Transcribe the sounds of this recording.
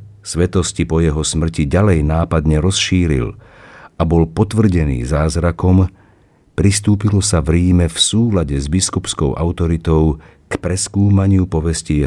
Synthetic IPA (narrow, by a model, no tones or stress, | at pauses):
sʋɛt̪ɔscipɔjɛɦɔsmr̩ciɟalɛjnaːpad̪ɲɛɾɔsʃiːɾḭlʔabɔlpɔt̪ʋr̩ɟɛnḭːzaːzɾakɔm | pɾist̪uːpilɔsavɾiːmɛfsuːlaɟɛzbiskupskɔʊʔa̰ʊt̪ɔɾit̪ɔʊ | kpɾɛskuːmaɲɪupɔʋɛscijɛ